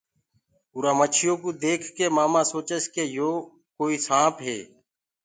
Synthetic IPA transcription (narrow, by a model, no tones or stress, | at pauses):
uːɾãːmət͡ʃʰɪjõːkuːd̪eːkʰkeːmaːmãːsoːt͡ʃəskeːjoː | koːiːsãːpɦḛː